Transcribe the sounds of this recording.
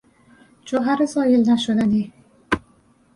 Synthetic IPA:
d͡ʒoɦæɾezɒːjelnæʃod̪æni

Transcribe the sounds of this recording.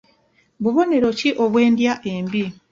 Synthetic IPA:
βuβo̞ne̞ɾo̞ciʔo̞βwe̞ːndjaʔe̞mbi

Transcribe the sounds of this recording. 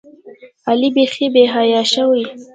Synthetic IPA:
alibexebeɦɑjɑʃəwi

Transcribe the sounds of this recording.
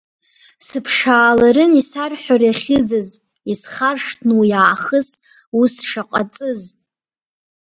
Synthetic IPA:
sɨpʰʂaːlaɾɨnisarħʷᶣarjaχʲɪd͡zɨz | isχarʂtʰnujaːχəs | usʂaqʼat͡sʼɨz

